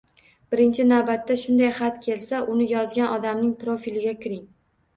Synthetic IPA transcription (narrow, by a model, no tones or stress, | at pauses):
bɪɾɪnt͡ʃʰɪnawbat̪ːaʃʊnd̪ajχat̪kʲʰe̞lsaʔʊnɪjɒzɡʲanʔɒd̪amnɪŋpɾofilɪɡʲakʲɪɾɪŋ